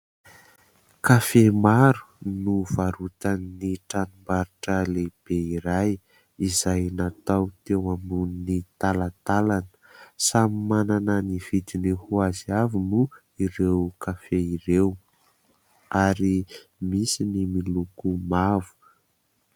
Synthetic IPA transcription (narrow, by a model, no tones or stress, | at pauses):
kafemaɾu̥ | nuvaɾut̪anniʈ͡ʂanumbaɾiʈ͡ʂəleb̥eiɾaj | izajnat̪awt̪ewambuninit̪alat̪alanə̥samimananəniv̥id̪inihuaziavunu | iɾewkafeiɾew | aɾimisinimilukumavu̥